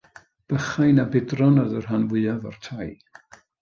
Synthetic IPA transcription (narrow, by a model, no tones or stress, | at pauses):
b̥əχajnabɪdrɔnɔðərɦanvɨavɔ̰rtʰaj